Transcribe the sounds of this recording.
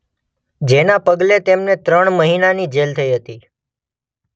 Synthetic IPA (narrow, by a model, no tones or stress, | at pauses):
d͡ʒenapəɡlet̪emnet̪ɾəɳməɦinanid͡ʒelt̪ʰəiɦət̪i